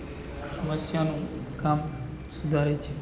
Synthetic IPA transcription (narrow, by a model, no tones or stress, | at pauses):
sɐməsjanũkam | sud̪ʱaɾet͡ʃʰe